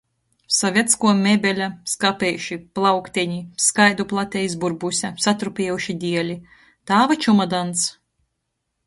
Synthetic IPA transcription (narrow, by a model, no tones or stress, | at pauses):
sɔvʲiɛt̪skuɔmʲebʲelʲaskapʲɛjuʃiplˠawkt̪ʲeɲiskajd̪uplˠat̪ʲɛjs̬buɾbusʲasat̪ɾupʲiɛjuʃid̪ʲiɛlʲi | t̪aːvat͡ʃumad̪ant̪s